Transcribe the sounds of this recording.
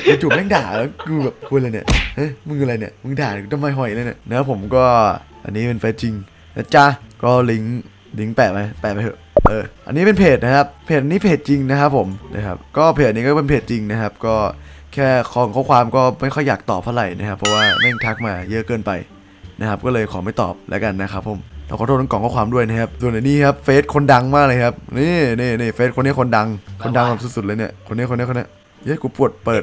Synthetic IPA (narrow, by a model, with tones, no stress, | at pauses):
kɯː˧t͡ɕuː˨˩nɛː˥˩ŋdaː˨˩lːkʰɯː˧bɛː˨˩p̚kʰu˧ləː˧ni˧˩˨ʔa˧˥˩mɯ˧ŋː˧la˧jni˨˩mɯ˧ŋdaː˨˩kɯ˧t̪ʰa˧maː˧˩ɦɔ˨˩ji˨lɤ˧jna˧˩nɛː˦˥pʰo˩˦mkɔː˥˩ | ʔa̰˧nːiː˦˥pe˧nfeː˦˥t̪̚t͡ɕi˧ŋ | na˦˥t͡ɕa˧kɔː˥˩li˦˥ŋ | li˦ŋpɛː˨˩ma˧˥pɛː˨˩p̚a˧o˧˩ʔɤː˧ʔa̰˧nːiː˦˥pe˧npʰeː˨˩t̪̚na˦˥kʰa˦˥p̚pʰːeː˨˩ʔa˧niː˦˥pʰeː˨˩t̪̚t͡ɕi˧ŋna˦˥kʰa˦˥pʰːo˨˩˦mna̰˦˧kʰa˦˥p̚kɔː˥˩pʰe˨˩t̚ʔniː˦˥kɔː˥˩pe˧npʰeː˨˩t̪̚t͡ɕi˧ŋna˦˥kʰa˦˥p̚kɔː˥˩kʰɛː˥˩kʰɔ˧˩ŋkʰɔː˥˩kwaː˧mkɔː˥˩ma˥˩jxʰɔ˥˩jːaː˨˩k̚t̪ɔː˨˩p̚t̪ʰːɾa̰˨˩jna˦˥kʰa˦˥pʰːɔ˦˧˥waː˥˩naː˥˩ŋt̪ʰa˦˥k̚maː˧jɤ˦˥ʔkɤː˧npa˧j | na˦˥kʰa˦˥p̚kɔː˥˩lɤː˧jkʰɔː˩˦ma˥˩jt̪ɔ̰ː˨˩p̚lɛ̰˦˥ka˧nːa˦˥kʰa˦˥pʰːo˨˩˦mt̪ʰaː˥˩kʰɔː˨˩t̪̚ʰːkɔː˨˩kʰɔː˧˥˩kʰwaː˧mdu˥˩əjna˦˥kʰa˦˥p̚su˨˩əna˨˦niː˥˩kʰa˦˥p̚feː˦˥t̪̚kʰo˧nda˧ŋmaː˥˩k̚lɤː˧jkʰa˦˥p̚niː˥˩niː˥˩niː˧˩feː˦˥t̪̚kʰo˧nːi˦˥˨kʰo˧nda˧ŋkʰo˧nda˧ŋa˧˩su˨˩t̚su˨˩t̪̚əː˧jni˦˥˩ɐkʰo˧nːi˦˥˨ko˧nː˦˥˨kʰːni˦˥ | ə˦˥˩kuː˧˦pu˨˩ət̪̚pɤː˨˩t̪̚